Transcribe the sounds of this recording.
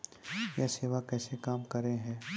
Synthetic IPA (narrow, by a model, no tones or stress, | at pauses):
jaseːʋakɛːsekaːmkɐɾẽɦɛ̃ː